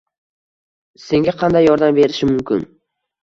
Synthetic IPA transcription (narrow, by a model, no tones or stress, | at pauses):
se̞ŋɡʲaqʰɑnd̪ajːɒɾd̪amve̞ɾɪʃɪmʊmkʲɪ̰n